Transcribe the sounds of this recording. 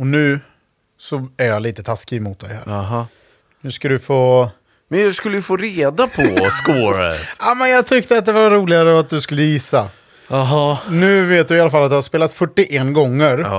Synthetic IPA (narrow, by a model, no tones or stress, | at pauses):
ɔnʉ̟ː | sɔæɾjaliːt̪ət̪ʰaskɪmʊt̪̚d̪ɛ̰jhæ̰ːɾ | hʉ̟ːskad̪ɵfoː | mɛnjɑskɵlːəjəfoːɾeːd̪apʰɔskoːɾa̰ɛ̰t̪amɛnjɑːɡt̪ʰʏkt̪əat̪̚d̪ɛvaɾuːlɪɡaɾəat̪̚d̪ɵskɵlːəjɪsːa | ɦɑnʉ̟ːveːt̪̚d̪ɵɪalːafalːt̪d̪ɛhaspeːlat̪fœʈːɪʔɛnɡɔŋːəɾ